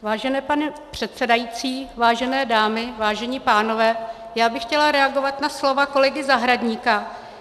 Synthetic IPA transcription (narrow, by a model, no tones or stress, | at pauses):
vaːʒɛnɛːpanɛ | pr̝̥ɛt̪sɛdajit͡siːvaːʒɛnɛːdaːmɪvaːʒɛɲiːpaːno̞vɛː | jaːbɪxcɛlaɾɛaɡo̞vat̪naslo̞vako̞lɛɡɪzaɦɾadɲiːka